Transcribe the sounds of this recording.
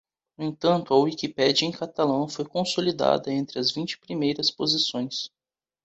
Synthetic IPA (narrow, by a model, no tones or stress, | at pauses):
nʊẽt̪ɐ̃nt̪ʊɐwikipɛd͡ʒiɐẽj̃kat̪alɐ̃w̃fojkõsolid̪a̰d̪ɐẽnt̪ɾɪɐzvĩnt͡ʃɪ̥pɾimejɾɐspozisõj̃s